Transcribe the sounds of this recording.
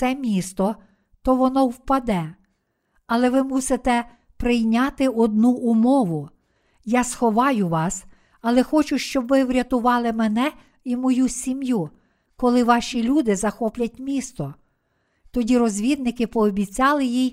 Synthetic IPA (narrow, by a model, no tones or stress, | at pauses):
t̪ɛmʲist̪ɔ | t̪ɔʋɔnɔwpɐd̪ɛ | ɐlˠɛʋɪmusɪt̪ɛ | pɾɪjnʲɑt̪ɪɔd̪nuʔʊmɔʋʊ | jɑsxɔʋɑjʊʋɑs | ɐlˠɛxɔt͡ʃʊʃt͡ʃɔbʋɪwɾʲɐt̪ʊʋɑlˠɪmɛnɛ | imɔjusʲimju | kɔlˠɪʋɑʃʲilʲud̪ɪzɐxɔplʲɐt̚ʲmʲist̪ɔ | t̪ɔdʲiɾɔzʲʋʲid̪nɪkɪpɔːbʲit͡sʲɑlˠɪjij